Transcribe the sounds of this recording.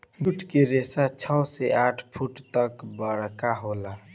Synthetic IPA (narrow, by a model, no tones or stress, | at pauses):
buʈkeɾeːsat͡ʃʰɔwseaːʈʰpʰuʈt̪əkbəɽkaɦoːla